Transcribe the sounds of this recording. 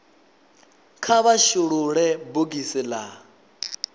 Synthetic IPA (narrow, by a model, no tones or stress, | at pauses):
kʰaβaʃuɺuɺɛbuɡisila